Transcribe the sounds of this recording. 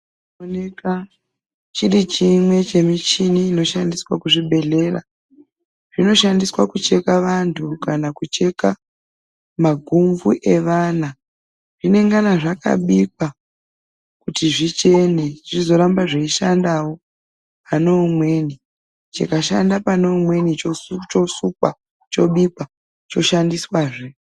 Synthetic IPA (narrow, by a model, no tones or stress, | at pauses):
oneka | t͡ʃirit͡ʃimwe̞t͡ʃe̞mit͡ʃiniːno̞ʃandiswa̰kuʐiɓe̞ɮe̞ra̰ | ʐ̥ino̞ʃandiswakut͡ʃe̞kaʋantʰukanakut͡ʃe̞ka | maɡʱuɱvuʔe̞ʋana | ʐ̥ine̞ŋɡanaʐaka̰ɓik̚wa | kutiʐit͡ʃe̞niʐizo̞ɾambaʐeiʃandawo̞ | panomwe̞ni | t͡ʃikaʃandapanoumwe̞nit͡ʃot͡ʃosuk̚a | t͡ʃo̞ɓikwa | t͡ʃo̞ʃandiswaːʐe